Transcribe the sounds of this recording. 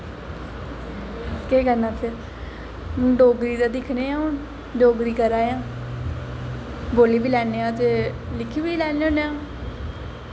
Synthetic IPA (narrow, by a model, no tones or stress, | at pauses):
keːkənãːt̪ʰɪɾ | ɖoːɡɾiːd̪aːd̪ɪkʰneːãːʊn | ɖoːɡɾiːkəɾaːjãː | boːliːbiːlɛːneːãːt̪eː | lɪkʰːiːbiːlɛːneoːneãː